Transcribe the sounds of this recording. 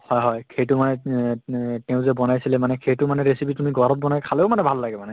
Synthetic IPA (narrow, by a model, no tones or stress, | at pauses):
hɔjɦɔjkʰejtʊmanɛ | tɛʊ̃zɛbɔnajsilɛmanɛkʰejtʊmanɛɹesipitumiɡʱɔɹɔt̚bɔnajkʰalɛʊmanɛbʱalːaɡɛmanɛ